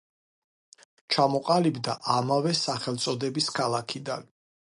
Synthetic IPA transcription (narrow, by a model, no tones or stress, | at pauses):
t͡ʃʰamɔqʼalibd̪a̰ʔamavɛsaχɛlˠt̪sʼɔd̪ɛbiskʰalˠakʰid̪a̰n